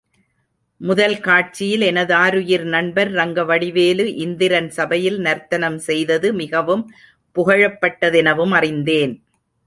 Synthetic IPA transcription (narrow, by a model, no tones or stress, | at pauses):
mʊðɐlkaːʈ̚t͡ʃɪjɪlɛnɐðɯaːɾɯjɪɾnɐɳbɐɾːɐŋɡɐʋɐɽɪʋeːlɯʔɪnd̪ɪɾɐnsɐbɐjɪlnɐɾt̪ɐnɐmsɛjðɐðɯmɪɣɐʋɯm | pʊɣɐɻɐpːɐʈːɐðɛnɐʋɯmɐrɪnd̪eːn